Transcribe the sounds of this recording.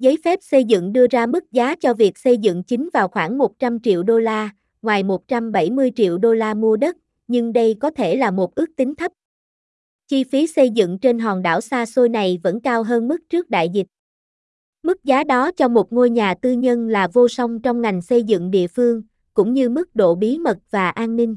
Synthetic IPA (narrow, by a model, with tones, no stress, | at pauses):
zə˨˦jfɛ˦˥p̚sə˧jzɨ̰˧˨ŋɗɨ˧əzaː˧mɨ˦˥k̚zaː˨˦t͡ɕɔ˧vi˨˩ək̚sə˧jzɨ̰˧˨ŋt͡ɕï˨˦ŋ̟vaː˨˩wxwaː˧˩ŋmo˨˩t̚t͡ɕa˧mt͡ɕḭ˧˨əwɗo˧laː˧ | ŋwaː˨˩jmo˨˩t̚t͡ɕa˧mɓə˧˩jmɨ˧əjt͡ɕḭ˧˨əwɗo˧laː˧mu˧əɗə˦˥t̚ | ɲɨ˧ŋɗə˧jkɔ˨˦t̪ʰe˧˩laː˨˩mo˨˩t̚ʔɨ˦˥ək̚t̪ï˨˦ŋ̟t̪ʰə˦˥p̚ | t͡ɕi˧fi˨˦sə˧jzɨ̰˧˨ŋt͡ɕe˧nɦɔː˨˩ŋɗa̰ː˧˩wsaː˧so˧jna˨˩jvə̰˧˥nkaː˧wɦəː˧nmɨ˦˥k̚t͡ɕɨ˦˥k̚ɗa̰ː˧˨jzi˨˩t̚ | mɨ˦˥k̚zaː˨˦ɗɔ˨˦t͡ɕɔ˧mo˨˩t̚ŋo˧jɲaː˨˩t̪ɨ˧ɲə˧nlaː˨˩vo˧sə˧wŋ͡mt͡ɕɔ˧wŋ͡mŋa˨˩jŋ̟sə˧jzɨ̰˧˨ŋɗḭ˧˨əfɨ˧əŋ | kʊ̰˧˥ŋ͡mɲɨ˧mɨ˦˥k̚ɗo̰˧˨ɓi˨˦mə˨˩t̚v̥aː˨˩ʔaː˧nːï˧ŋ̟